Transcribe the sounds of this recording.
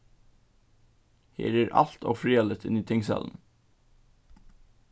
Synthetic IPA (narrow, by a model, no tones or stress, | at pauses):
hḛːɾeːɾʔɑ̰lt̪ʰo̰ːfɾiːɛlət̪ʰɪniːt̪ʰɪŋsɛ̰ln̩